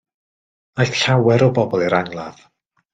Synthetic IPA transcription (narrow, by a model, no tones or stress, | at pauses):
ajθɬawɛɾɔbɔbɔlˠiɾaŋlˠað̥